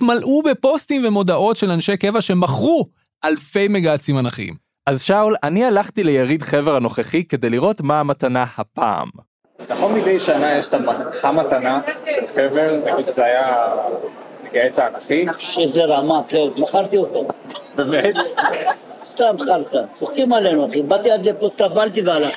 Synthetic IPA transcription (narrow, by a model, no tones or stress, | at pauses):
t̪malʔube̞po̞stimvemo̞dao̞tʃe̞lanʃe̞jke̞vaʃe̞maχʁu | alfe̞jmeɡat͡simanaχḭm | ʔazʃawlanialaχtilejaʁid̪χe̞veʁhano̞χeχike̞d̪e̞jliʁo̞tmaːmatanahapa̰ːm | laχonmid̪ejʃanajeʃtamahamat̪anaʃelχeveʁnaɡid̪ʃzeaja | meɡaet͡saːnaχiʃezeʁamaklemaχaʁt̪iot̪obemet̪ | st̪amt̪χalt̪at͡soχkimalenuaχimbat̪ialzeposavalt̪iveala